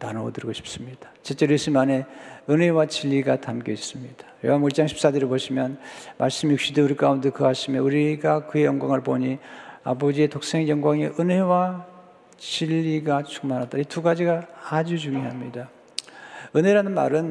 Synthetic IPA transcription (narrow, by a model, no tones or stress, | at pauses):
nanowodɯɾɡoɕʰi̥p̚s͈ɯmɲid̥ḁt͡ɕet͡ɕ͈eɾes͈ɯmane̞ɯnɦe̞wat͡ɕiʎːiɡatamk͈eis͈ɯmɲid̥ḁjo̰ɦamuɭt͡ɕ͈aŋɕʰi̥ps͈ad͡ʑeɾɯɭpoɕʰimjʌnmʔaɭs͈ɯmjuk̚ɕ͈ideuɾik͈aundekɯɦaɕʰimjʌuɾiɡakɯe̞jʌŋɡwaŋɯɭpoɲia̰bod͡ʑie̞tok̚s͈eŋejʌŋɡwaŋiʔɯnɦe̞wa | t͡ɕiʎːiɡat͡ɕʰu̥ŋmanatdaituɡad͡ʑiɡaːd͡ʑud͡ʑuŋiɦamɲida | ɯne̞ɾanɯnma̰ɾɯn